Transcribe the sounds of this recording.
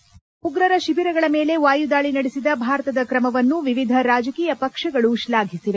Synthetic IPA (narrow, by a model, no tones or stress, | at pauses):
uɡɾɐɾɐʃibiɾɐɡɐɭɐmeːle̞ʋaːjud̪aːɭinɐɽisid̪ɐbʱaːɾɐt̪ɐd̪ɐkɾɐmɐʋɐnːuʋiʋid̪ʱɐɾaːd͡ʒɐkiːjɐpɐkʂɐɡɐɭuʃlaːɡʱisiʋe